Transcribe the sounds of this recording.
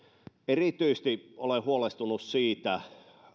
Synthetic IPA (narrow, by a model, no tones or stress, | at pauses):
erit̪yist̪iolehuolest̪unussiːt̪æ